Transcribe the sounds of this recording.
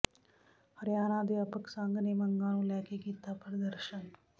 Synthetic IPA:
həɾjaːnãːd̪eːɐpəksãŋɡnemɐŋɡãːnũːlɛːkekiːt̪apɾəd̪əɾʃən

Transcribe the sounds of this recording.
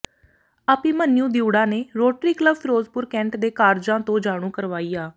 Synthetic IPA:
aːpĩːmənjũːd̪ɪjuːɽãːneːɾoːʈɾiːkləbfʰɾoːzpʊɾkɛ̃ːɳʈd̪eːkaːɾd͡ʒãːt̪õːd͡ʒaːɽ̃ũːkəɾʋaːiːaː

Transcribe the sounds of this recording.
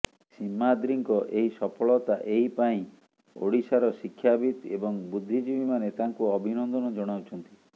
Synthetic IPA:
simːad̪ɾiŋkɔʔeɦisɔpʰɔɭɔt̪aʔeɦipaĩ | o̰ɽisaɾɔsikʰːjabit̪ebɔŋbud̪ʱːid͡ʒibimanet̪aŋkuɔbʱinɔnd̪ɔnɔd͡ʒɔɽ̃awt͡ʃʰɔnt̪i

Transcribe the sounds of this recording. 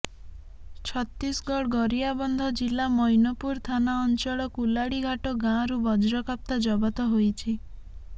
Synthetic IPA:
t͡ʃʰɔt̪ɾisɡɔɽɡɔɾijabɔnd̪ʱɔd͡ʒilamɔjnɔpuɾt̪ʰanaɔnt͡ʃɔɭɔkulaɽiɡʱaʈɔɡãɾubɔd͡ʒɾɔkap̚t̪ad͡ʒɔbɔt̪ɔɦojt͡ʃʰi

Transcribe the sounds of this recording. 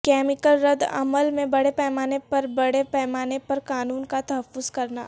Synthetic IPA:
kɛːmɪkəlɾɐd̪ɐ̰məlmẽbɐɽepɛːmaːnepɐɾbɐɽepɛːmaːnepɐɾkaːnuːnkat̪ɐɦəfːʊzkɐɾna̰ː

